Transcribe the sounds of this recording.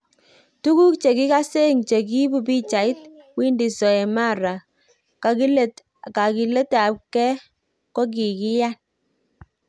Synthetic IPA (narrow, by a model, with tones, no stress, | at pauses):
tu˦ku˦k̚t͡ʃe˨ki˦ka˦se˦˨ŋt͡ʃe˨k̬i˦bu˨bi˦t͡ʃa˨i˦t̚wi˦ndi˨sɔ˨ɛ˨ma˦˨ɾa˨ | ka˨ki˦le˦t | ka˨ki˨le˦ta˨˦p̚kɛ˦ | kɔ˦k̬i˨ki˦ja˦n